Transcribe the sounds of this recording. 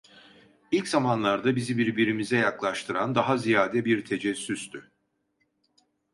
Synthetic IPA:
ilʲczamanlˠaɾd̪abizibiɾbiɾimizɛjaklˠaʃt̪ʰɯɾand̪aɦazijaːd̪ɛbiɾt̪ʰe̞d͡ʒɛsyst̪ʰy

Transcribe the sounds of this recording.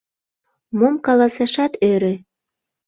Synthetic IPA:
momkɑlɑsɑʃɑt̪øɾĕ

